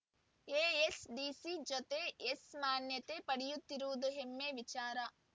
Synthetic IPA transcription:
eːesɖiːsid͡ʒot̪eesmaːnjɐt̪eːpɐɽijut̪ːiɾuʋud̪uɦemːeʋit͡ʃaːɾɐ

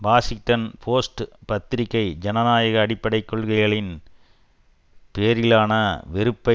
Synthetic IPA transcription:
ʋaːsɪŋʈɐnpʰoːsʈpɐt̪ːɪɾɪkːɐɪd͡ʒɐnɐnaːjɐɣɐːɽɪpːɐɽɐɪkːɔɭɣɐɪɣɐɭɪn | peːɾɪlaːnɐʋɛɾɯpːɐ

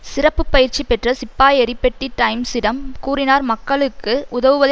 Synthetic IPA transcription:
sɪɾɐpːɯpːɐjɪɾt͡ʃːipɛʈrɐsɪpːaːjɛɾɪpːɛʈːiʈːɐɪmsɪɽɐmkuːɾɪnaːɾmɐkːɐɭɯkːɯʔʊðɐʋɯʋɐð

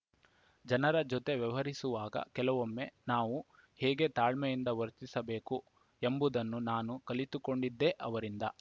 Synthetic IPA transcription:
d͡ʒɐnɐɾɐd͡ʒɔt̪e̞ʋiʋɐɾisuʋaːɡɐ̰kɛlɐʋomːe̞naːʋu | hɛːɡe̞t̪aːɭmejind̪ɐʋɐɾt̪isɐbe̞ːku | embud̪ɐnːunaːnukɐlit̪ukoɳɖid̪ːeʔɐʋɐɾind̪ɐ̰

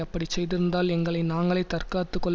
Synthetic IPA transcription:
ɐpːɐɽit͡ʃɛjðɪɾɯnd̪aːlɛŋɡɐɭɐɪnaːŋɡɐɭɐɪt̪ɐrkaːt̪ːɯkːɔɭː

